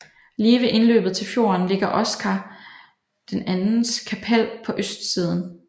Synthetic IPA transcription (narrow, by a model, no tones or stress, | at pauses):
liːʋe̝ʔe̝nlø̰ːb̥ð̩ˠt͡sʰe̝lfjo̝̰ːɐnle̝ɡ̥ɐʔɒ̽sɡ̥ʰæ | d̥enænn̩skʰæpʰæl̰pʰɒ̽ʔøsd̥siːð̞ˠn̩